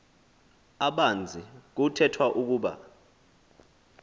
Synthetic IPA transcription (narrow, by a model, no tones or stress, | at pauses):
aɓand͡zʱik̬utʰɛtʰwaʔuk̬uːɓa̰